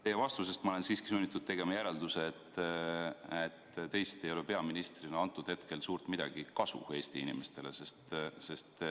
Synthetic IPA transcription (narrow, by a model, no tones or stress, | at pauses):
t̪ejevɑst̪us̬e̞st̪mɑole̞nsiːskisunʲːit̪ːˑud̪̥̚t̪e̞ɡ̥e̞mɑjæɾe̞ld̪use̞ːt̪ː | et̪ːt̪e̞jst̪e̞jo̞lepe̞ɑminist̪rinɑɑnt̪ːˑud̪̥he̞t̪ke̞lsuːrt̪mid̪̥ɑ̰ɡ̥ikɑsṵhe̞ːst̪iinḭmest̪e̞lese̞st̪se̞st̪